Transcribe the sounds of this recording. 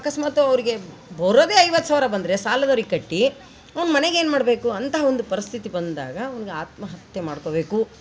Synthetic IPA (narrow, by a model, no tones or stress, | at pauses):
akɐsmaːt̪uɐʋɾiɡe̞ | bɐɾoːd̪eːɐjʋɐt̪ːsaːʋɾɐbɐnd̪ɐɾe̞saːlɐd̪ɐːɾiɡkɐʈːi | ɐʋɐnumɐneɡeːnmaːɽbe̞ːkuɐnt̪ɐɦɐond̪upɐɾist̪ʰit̪ibɐnd̪a̰ːɡɐːʋɐniɡe̞aːt̪̚mɐɦɐt̪jɐmaːɽko̞ːbe̞ːku